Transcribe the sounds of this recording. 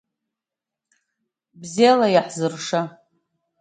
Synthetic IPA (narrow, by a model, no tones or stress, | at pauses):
bzialajaħzɨrʂa